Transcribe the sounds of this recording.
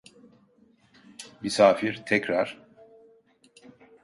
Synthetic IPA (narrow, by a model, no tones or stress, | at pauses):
mysaːfiɾt̪ʰɛcɾaɾ̥